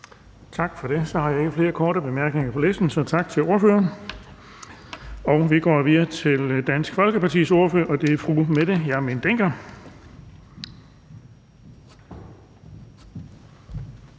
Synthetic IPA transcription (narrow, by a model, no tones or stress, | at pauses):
t͡sʰɑ̈ɡ̥fɒ̽ɾ̥e̝sɒ̽hɑ̈jɑ̈e̝ɡ̥əfle̝ːɐkʰɒːɾəb̥e̝mæɐɡ̥ne̝ŋɐpʰɒ̽lesd̥n̩sɒ̽t͡sʰɑ̈ɡ̥t͡sʰe̝lo̝ɐføːɐn | ɒ̽ʊʋiɡ̥ɒ̰ːʋiðˠɐt͡sʰe̝ld̥æn̰sɡ̥fɒ̽lɡ̥əpʰɑ̈t͡sʰḭːso̝ɐføɐʔɒ̽d̥e̝æfʁumed̥ejɑ̈æɐmind̥eŋ̰ɡ̥ɐ